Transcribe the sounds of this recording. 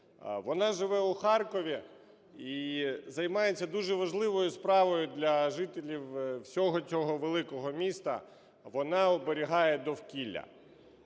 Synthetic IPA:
ʋɔnɑʒɪʋɛʊxɑrkɔʋʲi | izɐjmɑjet͡sʲːɐd̪uʒɛʋɐʒlˠɪʋɔjʊspɾɑʋɔjʊd̪lʲɐʒɪt̪elʲiwwsʲɔɦɔt͡sʲɔɦɔʋelˠɪkɔɦɔmʲist̪ɐ̰ | ʋɔnɑɔbeɾʲiɦɑjɛd̪ɔwkʲilʲːɐ̰

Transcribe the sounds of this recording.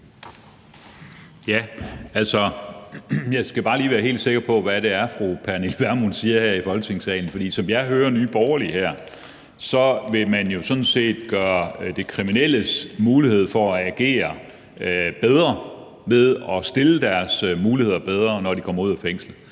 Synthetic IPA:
jæælsɒ | jɑ̈ɪsɡ̥æb̥ɑ̈ːliːʋæːɐɦe̝̰ːld̥se̝ɡ̥ɐpʰɒ̽ʋæɾ̥e̝æɐfʁupʰæɐnelʋæɐmunsiːɐhæɐ̰ifɒ̽lɡ̥t͡sʰe̝ŋsɛ̰ːln̩fɒ̽d̥ḭːsɒ̽mjɑ̈ɪɦøːɐnyːb̥ɒʊɐlihæɐ̰ | sɒ̽ʋe̝mænjo̝sɔ̽n̩se̝̰ːd̥ɡ̥ɶːɐd̥e̝kʰʁiminel̰əsmuːlihe̝ð̞̰ˠfɒ̽æɡ̥e̝̰ːɐ | b̥eð̞ˠʁɐ | með̞ˠɒ̽sd̥e̝ləd̥æɐsmuːlihe̝ð̞̰ˠɐb̥eð̞ˠʁɐnɒd̥ikʰɒ̽mɐuð̰ˠæfeŋ̰slə

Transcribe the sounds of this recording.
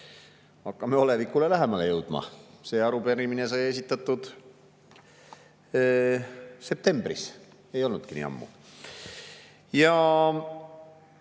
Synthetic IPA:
ɑkːɑme̞o̞le̞vikːˑule̞læɦe̞mɑle̞jɤwd̪̥mɑ̰se̞ːɑɾupeɾimine̞sɑje̞s̬it̪ːˑɑt̪ːˑud̪̥ | se̞p̚t̪e̞mbrḭs | e̞jo̞lnud̪̥kinḭːɑ̰mːṵ | jɑ

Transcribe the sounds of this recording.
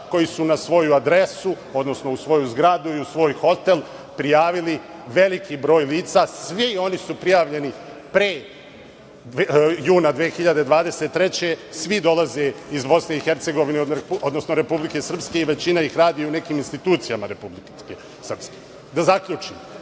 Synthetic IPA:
ko̞jisunasʋo̞juad̪ɾe̞su | o̞d̪no̞sno̞usʋo̞juzɡɾad̪uiusʋo̞ːjxo̞t̪e̞lˠ | pɾijaːʋiliʋe̞likibɾo̞ːjliːt̪sasʋio̞nisupɾijaːʋʎe̞nipɾeː | juːnad̪ʋeːxiʎad̪ed̪ʋaːd̪e̞set̪ːɾe̞t͡ɕe̞sʋid̪o̞laze̞izbo̞sne̞ixe̞ɾt̪se̞ɡo̞ʋineod̪nosnoɾe̞publike̞sr̩pske̞iʋe̞t͡ɕinaixɾaːd̪ijoune̞kiːminst̪it̪uːt̪sijamaɾe̞publi | e | sr̩pske | d̪azakʎuːt͡ʂḭm

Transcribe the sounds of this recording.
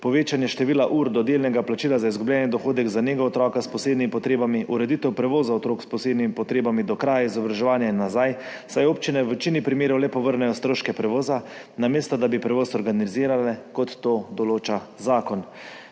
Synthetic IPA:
pɔʋeːt͡ʃanjɛʃt̪ɛʋiːlaʔuːɾd̪ɔd̪eːlnɛɡaplat͡ʃiːlazaizɡublʲɛːnjɛd̪ɔxoːd̪ɛɡzaneːɡɔɔt̪ɾɔːkaspɔseːd̪nimipɔt̪ɾeːbamiʔuɾɛd̪it̪ɛwpɾɛʋoːzaɔt̪ɾoːkspɔseːd̪nimipɔt̪ɾeːbamid̪ɔkɾajaizɔbɾaʒɛʋaːnjainːazaj | sajoːpt͡ʃinɛʋɛt͡ʃinipɾimeːɾɔwlɛpɔʋəɾnɛjɔst̪ɾoːʃkɛpɾɛʋoːzanameːst̪ɔd̪abipɾɛʋoːsɔɾɡaniziːɾalɛkɔt̪ːoːd̪ɔloːt͡ʃazaːkɔn

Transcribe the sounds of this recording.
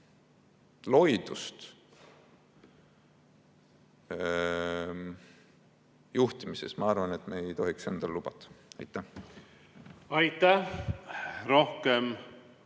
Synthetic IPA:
lo̞jd̪̥ust̪ | juht̪imisesmɑɑrvɑne̞t̪ːˑmeejt̪o̞ɦikse̞nd̪̥ɑllub̥ɑt̪ˑːɑ̥ɑ̰jt̪ˑːæh | ɑjt̪ːæ | ɾohkem

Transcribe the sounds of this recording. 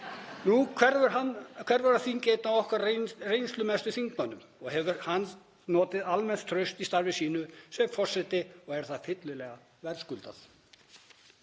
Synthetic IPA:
nukʰɛakʰvɛɾvaɾaθincejt̪naɔhkvaɾrejnst̪lʏmɛst̪ʏθiŋkmœnːʏm | ɔɣhɛvʏɾhanː | nɔːt̪ɪðalmɛnt̪ʰːɾœɥst̪ist̪aɾvɪsiːnʏsɛfɔr̥sɛt̪ɪɔɣɛɾ̥θaðfɪt̪lʏlɛːɣa | vɛɾskʏlt̪a̰θ

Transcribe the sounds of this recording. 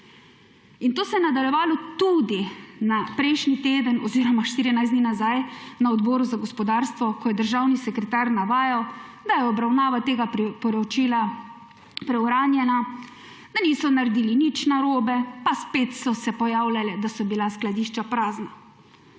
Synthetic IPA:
int̪oːsɛjɛnad̪aljɛʋaːlɔt̪ud̪inapɾɛjʃnit̪eːd̪ənɔziːɾɔmaʃt̪iːɾinajzd̪ninazajnaɔd̪bɔːɾuzaɡɔspɔd̪aɾst̪ʋɔkɔjɛd̪əɾʒawnisɛkɾɛt̪aɾnaʋaːjawd̪ajɛɔbɾawnaːʋat̪eːɡapɾpɔɾɔt͡ʃiːla | pɾɛwɾaːnjɛna | d̪aniːsɔnaɾed̪iːlinit͡ʃnaɾoːbɛpaspet̪sɔsɛpɔjawlalɛd̪asɔbilasklad̪iʃt͡ʃapɾaːzna

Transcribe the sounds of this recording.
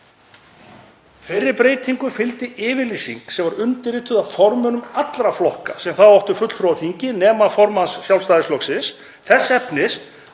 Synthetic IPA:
fɪrːɪɾpɾeːjt̪ʰiŋkʏfɪlt̪ɪɪːvɪlisḭŋksɛmvaɾʏnt̪ɪɾɪt̪ʰʏðafɔɾmʏnʏmat̪lɾaflɔhkasɛmθaðvɔwht̪ʏfʏt̪l̥fɾowθiɲcɪnɛːmafɔɾmansːjawlst̪aːðɪslɔksɪns | θɛsːaɛpnɪs

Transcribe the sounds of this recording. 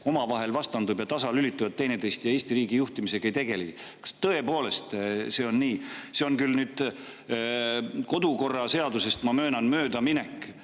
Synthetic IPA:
o̞mɑvɑɦe̞lvɑst̪ɑnd̪ubjɑt̪ɑsɑlylit̪ːˑuvɑt̪̚ːe̞jnet̪e̞jst̪jɑeːst̪iɾiːɡijuht̪imise̞ɡ̥ɑejt̪e̞ɡ̥e̞li | kɑ̥st̪ɤ̞e̞po̞ːle̞st̪se̞ːo̞nːiːse̞o̞nkylnyːd̪̥ | ko̞d̪uko̞rːɑse̞ɑd̪use̞st̪mɑmø̞ːnɑnmøːd̪ɑminekːˑ

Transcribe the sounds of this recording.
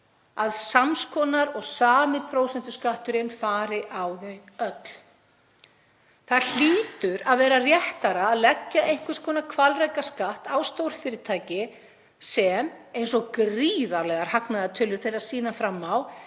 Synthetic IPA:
aðsamskʰɔːnaɾɔɣsaːmɪpʰɾoːwsɛnt̪ʏskaht̪ʏɾɪnfaːɾɪʔawðɛœt̪l | θaðl̥iːt̪ʏɾaðvɛːɾarjɛht̪aɾaːðlɛcːaʔejhŋ̥kvɪɾ̥skʰɔːnakʰvalrajkaskaht̪awst̪owɾ̥fɪːɾɪɾt̪ʰaːjcɪ | sɛmejnsɔkriːðaɾlɛɣaɾ̥haknaðat̪ʰʏlːʏɾ̥θejɾɾaðsiːnafɾamːaw

